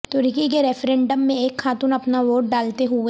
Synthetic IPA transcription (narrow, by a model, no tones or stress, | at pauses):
t̪ʊɾkik̬eɾɛfɾɛ̃ːɳɖəmːẽeːkʰxaːt̪uːnɐpnaʋoːʈ̚ɖaːlt̪eɦu